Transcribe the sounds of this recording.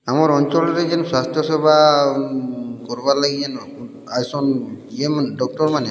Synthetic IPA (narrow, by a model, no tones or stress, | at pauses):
amaɹɔnt͡ʃɔlɔɾɛzɛnswastʰjɔsɛba | kɔɾbalaɡian | ajsɔniemdɔk̚tɔɹmanɛ